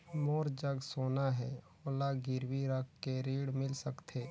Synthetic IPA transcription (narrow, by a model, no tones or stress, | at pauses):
moːɾd͡ʒəɡsoːnaɦɛː | oːlaɡɪɾwiɾəkʰkeɾiːɽmɪlsəkt̪ʰeː